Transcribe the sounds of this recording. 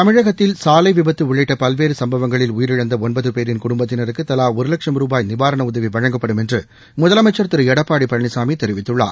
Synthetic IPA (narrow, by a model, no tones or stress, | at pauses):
t̪ɐmɪɻɐɣɐt̪ːɪlsaːlɐɪʋɪbɐt̪ːɯʋʊɻɐɪʈːɐpɐlʋeːɾɯsɐmbɐʋɐŋɡɐɭɪlʊjɪɾɪɻɐnd̪ɐɔnbɐðɯpeːɾɪnkʊɽʊmbɐt̪ːɪnɐɾɯkːɯt̪ːɐlaːɔɾɯlɐkʂɐmɾuːbaːjnɪʋaːɾɐɳɐʊðɐʋiʋɐɻɐŋɡɐpːɐɽɯmɛndrɯ | mʊðɐlɐmɐɪt͡ʃːɐɾt̪ɪɾɯɛɽɐpːaːɽipːɐɾɐɳɪsaːmit̪ɛɾɪʋɪt̪ːɯɭːa̰ːɾ